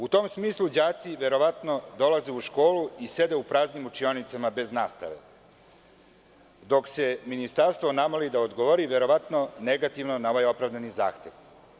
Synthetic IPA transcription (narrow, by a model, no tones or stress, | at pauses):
ut̪o̞ːmsmiːslˠud͡ʑaːt̪siʋe̞ɾo̞ʋat̪no̞d̪o̞lazeuʃko̞ːluise̞d̪eupɾaːznimut͡ʃio̞nit̪samabe̞znaːst̪a̰ʋe̞̰ | d̪o̞kse̞minist̪aɾst̪ʋonamolid̪aod̪ɡoʋoɾiʋe̞ɾo̞ʋat̪no̞neɡat̪iʋnonao̞ʋajo̞pɾavd̪aniza̰ːxt̪e̞ʋ